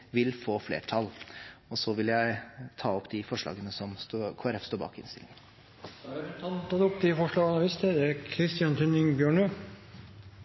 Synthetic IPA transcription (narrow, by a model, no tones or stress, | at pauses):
ʋɪlfoːflḛːʈʰɑlɔsɔʋɪljæɪt̪ʰɑːɔpd̪ɪfɔʂɭɑ̰ːɡənəsɔmst̪ːkʰoːæɾɛfst̪oːbɑ̰ːkɪ̰nst̪ɪ̰lɪŋɪŋ | t̪ʰɑnt̪ɑd̪ʊpt̪ɪəfɔʂɭɑːɡɑnɑʋɪst̪ʰəd̪ɛækʰɾɪst̪ɪɑnt̪ʰʉnɪŋbjøːɳo